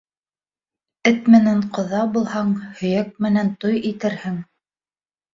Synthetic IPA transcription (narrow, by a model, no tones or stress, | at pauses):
ɘt̪mɘ̆næɴqŏðɑbulˠhɑɴhɵ̆jæk̚mɘ̆nænt̪ojit̪ɘ̆ɾhɘŋ